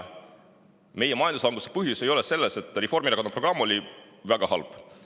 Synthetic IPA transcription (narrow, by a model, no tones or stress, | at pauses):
me̞jemɑjɑnd̪uslɑŋɡ̥use̥pɯɦjuse̞jo̞leselːese̞t̪ːˑrefo̞rmiɾɑkɑnɑpro̞ɡrɑmːo̞lʲi | væɡ̥ɑhɑ̰lb̥